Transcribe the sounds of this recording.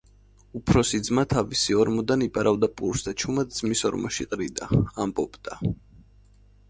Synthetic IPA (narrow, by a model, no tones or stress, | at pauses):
upʰɾɔsid̪zmat̪ʰavisiɔɾmɔd̪anipʼaɾavd̪apʼuɾsd̪at͡ʃʰumad̪̚d̪z̥misɔɾmɔʃḭqʼɾid̪aːmbʼɔpd̪̥a